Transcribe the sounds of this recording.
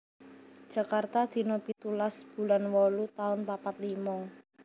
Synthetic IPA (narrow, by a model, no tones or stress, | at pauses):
d͡ʒ̥ä̤kart̪ad̪̥i̤nɔpit̪ulasb̥ṳlanwɔlut̪aʊnpapat̪limɔ